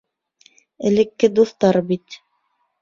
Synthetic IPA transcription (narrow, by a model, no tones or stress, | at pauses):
ɘ̆lɘ̆kːɘd̪uθt̪ɑɾbit̪